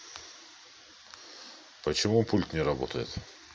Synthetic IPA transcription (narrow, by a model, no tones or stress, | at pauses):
pət͡ɕɪmupulʲt̪nʲɪɾɐbo̰t̪əjɪ̰t̪